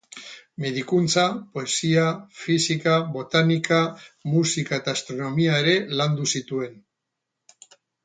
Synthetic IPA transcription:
meðikunt͡sapo̞e̞siafisikaβo̞t̪anikamusikae̞t̪aːst̪ɾo̞no̞miaeɾe̞land̪usit̪ue̞n

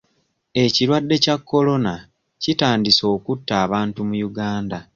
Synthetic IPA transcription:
e̞ciɾwadːe̞cakːo̞lo̞na | citaːndiso̞ːkutːaːβaːntumujuɡaːnda

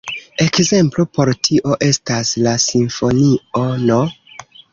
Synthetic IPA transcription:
e̞kze̞mplopo̞ɾtʰiʔo̞ʔe̞staslasiɱfo̞niono

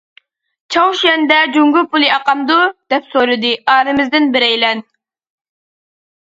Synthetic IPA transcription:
t͡ʃʰɑwʃɛnd̪ɛd͡ʒuŋɡʊpʰulˠɨɑqɑmd̪ud̪̥ɛpsoɾɨd̪ɨɑːɾɨmɪzd̪ɪnbɪɾɛjlɛn

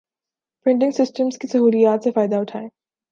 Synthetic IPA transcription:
pɾɪ̃ɳɖɪ̃ŋɡsɪsʈəmskisɐɦuːlijaːt̪sefaːɪd̪aʊʈʰaːeː

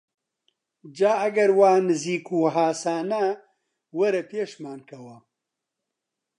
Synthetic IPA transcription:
d͡ʒaːɐɡɐɾwaːnɨziːkuːɦaːsaːnɐ | wɐɾɐpeːʃmaːnkʰɐwɐ

